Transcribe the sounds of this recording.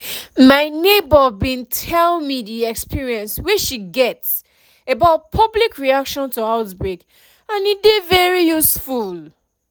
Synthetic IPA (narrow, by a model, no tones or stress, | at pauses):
maɪnebəbĩntʰɛlmidiɛkspʰiɹiɛ̃nsweʃiɡɛts | ebaʊt̚pʰʌblikʰɹiakʃɔ̃ntuaʊtbɹek | ãnidevɛɹijusful